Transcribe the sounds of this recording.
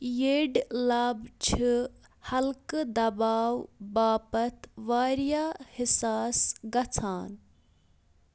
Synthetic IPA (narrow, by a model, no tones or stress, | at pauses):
jeːɖlaːbt͡ʃʰihɐlkd̪ɐbaːwbaːpɐt̪ʋaːɾjaːhɪsaːsɡɐt͡sʰaːn